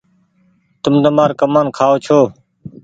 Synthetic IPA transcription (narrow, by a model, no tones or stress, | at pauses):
t̪ʊmt̪əmaːɾkəmaːnkʰaːoːt͡ʃʰoː